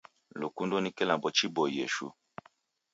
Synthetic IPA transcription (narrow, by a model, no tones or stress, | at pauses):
lokundonikelabɔt͡ʃibɔḛʃṵ